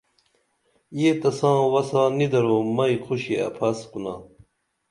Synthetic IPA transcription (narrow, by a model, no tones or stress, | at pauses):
jet̪ɐsãːwɐsãːnid̪ɐɾoːmɐjqʰuɕiɐ̰pʰɐsqunaː